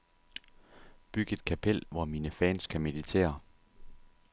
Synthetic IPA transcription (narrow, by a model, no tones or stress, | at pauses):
b̥yɡ̥əe̝d̥̚kʰæpʰel̰ʋɒmiːnəfɛːnskʰæme̝ðˠit͡sʰe̝̰ːɐ